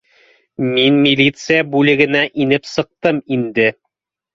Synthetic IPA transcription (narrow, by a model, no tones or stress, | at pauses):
minmʲilʲit̪sɨjabʉlɘ̆ɡɘ̆næʔinɘpsɤ̆q̚t̪ɤmind̪ɘ